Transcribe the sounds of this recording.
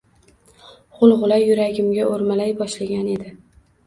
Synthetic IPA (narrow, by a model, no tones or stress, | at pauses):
ʁʊlˠʁʊlˠajʊɾaɡʲɪmɡʲaʔoɾmalajbɒʃlaɡʲane̞d̪ɪ